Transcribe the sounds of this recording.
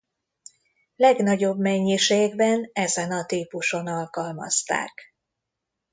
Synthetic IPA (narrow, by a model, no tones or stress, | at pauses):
lɛɡnɒɟo̞bmɛɲːiʃeːɡbɛnɛzɛnɒt̪iːpuʃo̞nɒlkɒlmɒ̰st̪a̰ːk